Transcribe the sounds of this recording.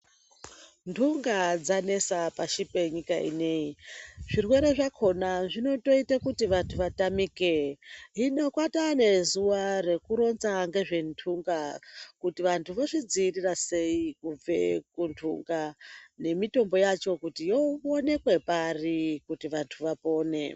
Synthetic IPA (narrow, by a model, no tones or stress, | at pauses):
ntʰuŋɡad͡zane̞sapaʃipe̞ɲikaḭne̞iʐirwe̞ɾe̞ʐakʰo̞naʐino̞to̞itakutiʋantʰuʋatamikeɦinokwatane̞zuʋare̞kuɾo̞nt͡saŋɡe̞ʐe̞ntʰuŋɡakutiʋantʰuʋoʐid͡ziːrirase̞ikub͡ve̞̰kuntʰṵŋɡane̞mito̞mbo̞jat͡ʃo̞kutijo̞one̞kwe̞parikutiʋantʰuʋapo̞ːne̞̰